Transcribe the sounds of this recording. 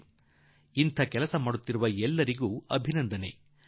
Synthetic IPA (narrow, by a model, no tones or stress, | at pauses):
int̪ʰɐkɛlɐsɐmaːɽut̪ːiɾuʋɐɛlːɐɾiɡuːɐbʱinɐnd̪ʱɐne̞